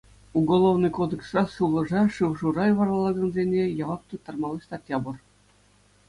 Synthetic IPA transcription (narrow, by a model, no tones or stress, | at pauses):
uɡolˠoʋnɨjkod̪ɘ̆ksrɑʂuʋlˠɤ̆ʐɑʂɯʋʐurɑjʋɑrɑlˠɑɡɑ̆nzʲenʲejɑʋɑk̚t̪ut̪ːɑrmɑlˠɤɕʲt̪ɑtʲjɑbɤ̆r